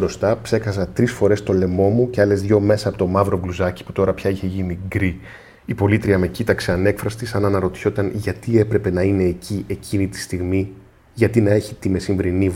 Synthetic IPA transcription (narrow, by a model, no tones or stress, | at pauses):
ɾo̞st̪ɐpse̞kɐsɐt̪ɾisfo̞ɾe̞st̪o̞le̞mo̞muceɐle̞zðʝo̞me̞sɐːpot̪omɐvɾo̞vluzɐci̥pu̥t̪o̞ɾɐpçɐiçe̞ʝiniɡɾi | ipo̞lit̪ɾiɐme̞cit̪ɐkseɐne̞kfɾɐst̪isɐnɐnɐɾo̞t̪i̥so̞t̪ɐnʝɐt̪ie̞pɾe̞pe̞nɐine̞ːcʰiʔe̞cʰinit̪i̥st̪iɣmi | ʝɐt̪inɐe̞çit̪ime̞siɱvɾiniv